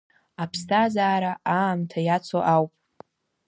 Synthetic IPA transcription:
apʰstʰazaːɾaamtʰajat͡sʰoʔawpʼ

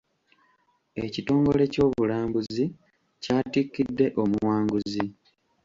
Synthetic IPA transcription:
e̞cito̞ːŋɡole̞co̞ːβulaːmbuzzi | caːtikːidːe̞ʔo̞muwaːŋɡuzi

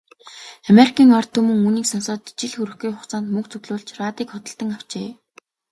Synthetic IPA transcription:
ameɾikʰiːŋɔrt̪ʰːɵmɵ̆ŋuniːksɔnsɔːt̪t͡ɕĭɮxuɾɘ̆xɡujχʊχt͡saːnt̪mɵk̚t͡sɵɣɮʊːɮt͡ɕraːt̪iːkχɔt̪ɞ̆ɬt̪ə̆ŋaw̥t͡ɕḛː

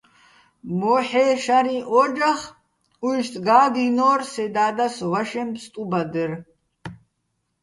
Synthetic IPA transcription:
mɔħɛʃaɾiʔɔd͡ʒaχ | uʒt̪ʼɡaːd̪inɔːrsɛd̪aːd̪asvaʃɛmpsʼt̪ʼubad̪ɛɾ

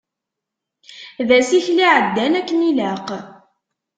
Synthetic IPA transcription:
ðæsiçliʕəd̪ːænækːnilæq

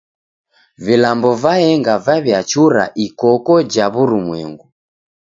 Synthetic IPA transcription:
vilambɔvaɛŋɡavaβjat͡ʃuɾa̰ʔikɔkɔd͡ʒaβuɾumwɛŋɡu

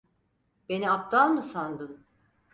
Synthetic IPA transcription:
be̞niap̚d̪alˠmɯsand̪ɯn

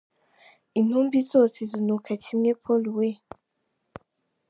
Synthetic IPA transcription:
in̥umbizosizinukʰatʰimɲepʰoluwe

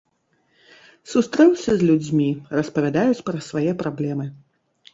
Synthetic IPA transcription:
sust̪ɾɛwsʲɐzʲlʲud͡zʲmʲirɐspɐvʲad̪ajut͡sʲpɾɐsvajɛpɾablʲɛmɨ

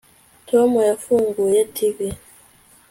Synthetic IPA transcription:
tʰwamɔjafuŋɡujatʰivi

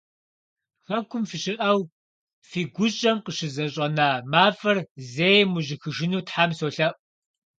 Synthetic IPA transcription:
xɐkʷʰʊmfiɕɪʔɐw | fiːɡʷʊɕʼɐmqəʃɪzɐɕʼɐnaːmaːfɐrzeːjmuʑɪxɨʒɪnuːtħamsoːɬɐʔʼ

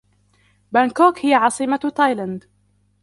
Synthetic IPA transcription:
bankoːkhɪjaʕɑsˤɨmat̪ɑjland̪

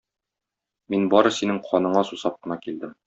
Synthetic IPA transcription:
minbɒɾɤsinɘŋqʰɒnɤ̆ɴɑsusɑp̚qɤ̆nɑkild̪ɘm

